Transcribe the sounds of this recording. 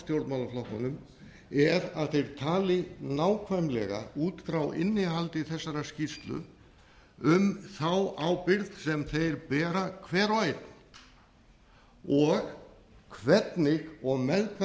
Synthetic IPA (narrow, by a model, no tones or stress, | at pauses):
st̪jowɾt̪mawlaflɔht̪ɔnʏm | ɛɾaðθejɾ̥t̪ʰaːlɪnaːwkʰvamlɛɣa̰uːt̪fɾawʔɪ̰nːɪɦalt̪ɪθɛsːaɾascist̪lʏ̰ | ʏmθawaːwpɪɾðsɛmθejɾpɛːɾakʰvɛːɾajt̪n | ɔɣ | kʰvɛt̪nɪɣɔɣmɛðkʰv